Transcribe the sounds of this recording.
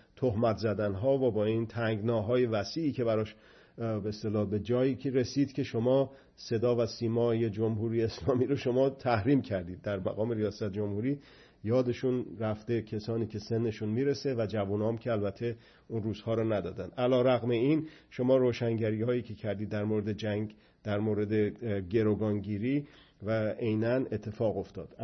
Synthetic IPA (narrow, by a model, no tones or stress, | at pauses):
t̪ʰohmæt̪ʰzæd̪ænɦɒːvobɒːint̪ʰæŋɡnɒːɦɒːje̞væsiːcʰe̞bæɾɒːʃ | beest̪e̞lɒːbe̞d͡ʒɒːiːcʰeɾe̞siːd̪cʰe̞ʃo̞mɒː | se̞d̪ɒːvæsiːmɒːjed͡ʒomɦuːɾijeːslɒːmiːɾoʃo̞mɒːt̪ʰæhɾiːmcʰæɾd̪iːd̪̚ːæɾmæ̰ɣɒːme̞ɾijɒːsæt̪̚ʰd͡ʒo̞mhuːɾi | jɒːd̪e̞ʃunɾæft̪e̞cʲʰesɒːniːcʰe̞se̞nːe̞ʃunmiːɾe̞se̞væd͡ʒævunɒːmcʰe̞ælbæt̪ʰe̞ | unruːz̥hɒːɾɔnæd̪ɒ̰ːd̪ænd̪ʔælɒːɾæɣme̞inʃo̞mɒːɾoːʃæŋɟæɾiːhɒːjiːcʰe̞cʰæɾd̪iːd̪ːæɾmoɾed̪e̞d͡ʒæŋ | d̪̥æɾmoːɾe̞d̪eɟe̞ɾoɡɒːnɟiːɾiː | væejnæne̞t̪ʰːe̞fɒːɣo̞ft̪ɒːd̪̥